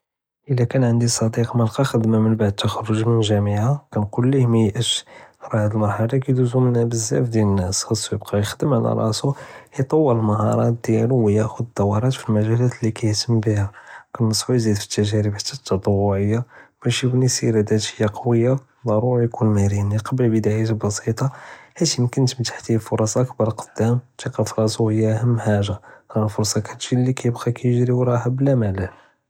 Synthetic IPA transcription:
ʔəlːækænʕənd̪isˤɑd̪iqməlqɑxəd̪mæmənbaʕd̪̚t̪ːæxɑɾːoʒmənʒæmiʕakænqulːihmæjʔəʃɾˤɑʕd̪əlmɑɾˤħɑlakæd̪uzumənæbəzːæ̰fd̪ælənːæsxɑsːˤwjəb̚qʰɑjəxd̪əmʕalæ̰ɾˤɑ̰suijt̪ˤɑwːəɾəlmɑhɑɾˤɑt̪̚d̪̥jæluwjæʔxʊd̪ət̪ˤːɑwːɑɾˤɑt̪filmæʒælæt̪lːikæjt̪əmːbihækənːəsˤːbujzid̪fi̥t̪ːæʒæɾəbħat̪ːæt̪ːɑt̪ˤɑwːʊʕəjːab̥æʃkunisiɾæd̪æt̪həjːaqɑwəjːa | d̪ˤɑɾˤuɾjkunmæɾiniqɑbəlbəd̪aʕit̪bɑsit̪ˤɑħæt̪imkənt̪mət̪ḁħt̪ilfʊɾˤɑsʔəkbɑɾˤlqə̥d̪̥ːæmt̪iqɑfɾˤɑsuhəjːæʔæhəmːħaʒaɾˤɑfʊɾsˤɑkæd̪ʃilːikæjəbɣɑkæjəʒɾiwɾˤɑhæbəlæmælən

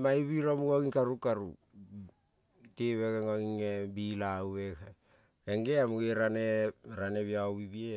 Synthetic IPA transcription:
majβiɾomuɡoɡiŋkaɾukaɾṵ | teβeɡeŋoɡiŋebilaweka | eŋɡeamuɡeɾaneɾane̞βiaβibie

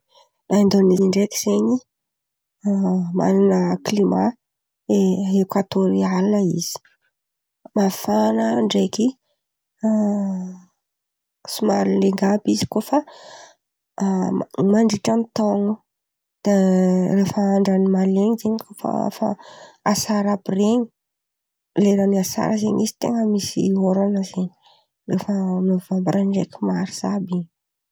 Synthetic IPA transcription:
laind̪oniziɳɖ͡ʐek̪i̥z̥eɲi | ma̰linəklima | eekwat̪oɾialinəiz̥i̥ | mafanəɳɖ͡ʐeki | sumalleŋɡabizi̥kofa | mmaɳɖ͡ʐiʈ͡ʂamit̪oŋu | d̪̥arefəaɳɖ͡ʐanimaleɲizeɲikofa̰fa̰asaɾabireɲi̥ | leɾaniasa̰ɾəzeɲizi̥t̪ḛŋəmisḭoɾanəzeɲi | refəmovambaɾʔaɳɖ͡ʐekʲimaɾiz̥abiɲi

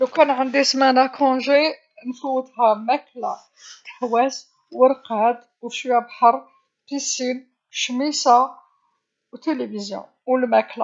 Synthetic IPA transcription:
lukænʕənd̪ismænækʰɔ̃ʒe | nfuwət̪hæmækla̰ | t̪ə̥ħwæs | wəɾqæd̪ | wʃiwæbħɑɾˤ | fisin | ʃmisa | wt̪elivizjɔ̰̃ | wlmækla

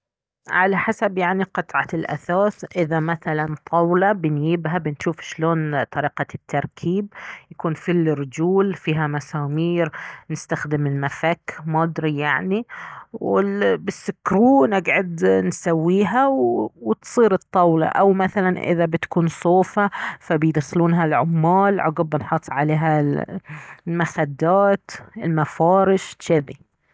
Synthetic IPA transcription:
ʕalaħasabjaʕniqɨt̪ˤʕalʔa̰θaːθʔɪðamaθalant̪ˤʰɑwlɑbɪnjɪbɦabɪnʃuːfʃloːnt̪ˤɑɾiːqɑt̪ːɑɾˤkʰiːb̚jakuːnfɪlːɾd͡ʒuːlfiːɦamasaːmiːɾnɪst̪axd̪ɪmɪlmafakmɑːd̪ɾijaʕniwɪbɪsːʊkɾuːnɪɡʕʊd̪nsawːiːɦawwɪt̪sˤiːɾɨt̪ˤːɑwlɑ̰ʔawmaθalanʔɪ̰ðabɪt̪kuːnsˤoːfafabɪjd̪asluːnɦalʕʊmːaːlʕʊɡʊbɪnħʊt̪ˤːʕaleːɦa | lmaxad̪ːaːt̪ɪlmafɑːɾɪʃʃɪði

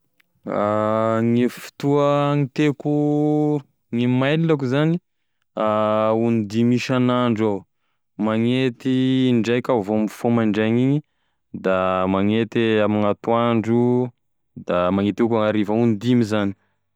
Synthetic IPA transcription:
aŋifi̥t̪uəŋit̪eku | ŋimajlilakuzani | aunid̪imiʃanaɳɖ͡ʐa | maŋet̪iɳɖ͡ʐajkʲavomfomaɳɖ͡ʐaŋiɲi | d̪amaŋet̪eamiŋat̪uaɳɖ͡ʐu | d̪amaŋet̪ukaaɾivaunid̪imizani̥

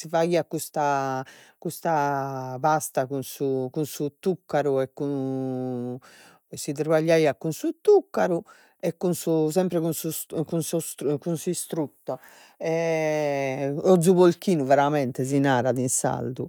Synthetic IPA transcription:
sivaiːakust̪a | kust̪apast̪akunsukunsut̪ukːaɾuɛkːu | sːit̪ɾbaʎːaiːakunsut̪ukːaɾu | ɛkːunsus̬ɛmpɾɛkunsukunsɔkunsuist̪ɾut̪ːɔ | ɛ | ɔd̪zuβolkiːnuvɛɾamɛnt̪ɛz̬inaːɾaðinsa̰ld̪u

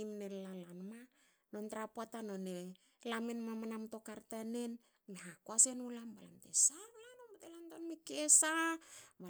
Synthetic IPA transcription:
imnelalanma | no̞ntɾapoatano̞ne | lamenmamanamto̞kaɾtane̞n | meɦakoase̞nulambala̰mtḛsanulanombatelantonmikesaba

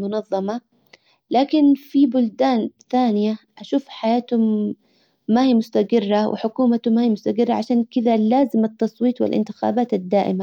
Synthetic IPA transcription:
mʊnɑðˤːɑmɑ | laːkɪnfibʊld̪aːnθaːnɪjaʔaʃuːfħajaːt̪hʊmː | ahiːmʊst̪aɡɪrːawɪ̰ħʊkuːmat̪ʊmːahiːmʊst̪aɡɪrːɑʕaʃaːnkɪd̪alaːzɪmɑt̪ːɑsˤwiːt̪wɪ̰lʔɪ̰nt̪ɪ̥xa̰ːbaːt̪ad̪ːaːʔɪma

